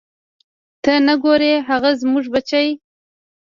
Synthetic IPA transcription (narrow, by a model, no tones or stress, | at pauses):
t̪ənaɡoɾeɦaɣazmʊʐbat͡ʃaj